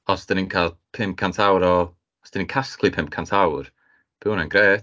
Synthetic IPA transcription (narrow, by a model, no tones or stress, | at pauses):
ɔsd̥ɪninkʰalˠpʰɪmp̚kʰantʰawɾɔ | sd̥ɪninkʰaskʰlˠipʰɪmp̚kʰantʰawr | b̥ɪwnanɡɾeːt